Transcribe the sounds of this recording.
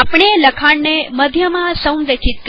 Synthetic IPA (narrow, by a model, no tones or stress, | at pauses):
apɳ̃eləkʰaɳneməd̪ʱjəmãsə̃wmd̪əkʰit̪̚k